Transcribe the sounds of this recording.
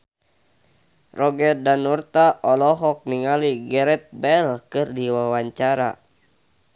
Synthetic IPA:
rɔɡɛrdanurt̪aʔɔlɔɦɔk̚niŋaliɡɛɾɛt̪̚bɛlkɨrdiwawaɲt͡ʃaɾa̰

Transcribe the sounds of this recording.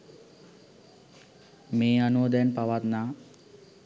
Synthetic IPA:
meːanud̪ɛnpaʋat̪naː

